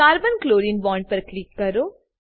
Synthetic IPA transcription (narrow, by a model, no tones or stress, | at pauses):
aːɾbənkloːɾinbɔ̃ːɳɖ̚pɐɾklɪkːɐɾoː